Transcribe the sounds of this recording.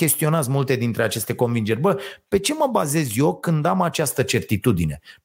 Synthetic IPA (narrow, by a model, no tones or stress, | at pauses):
kʲe̞st̪io̞nat̪zmult̪e̞d̪int̪ɾe̞at͡ʃe̞st̪e̞ko̞nvind͡ʒe̞rʲbəpe̞t͡ʃe̞məbaze̞zjo̞kɨnd̪amat͡ʃast̪ət͡ʃe̞rt̪it̪ud̪ine̞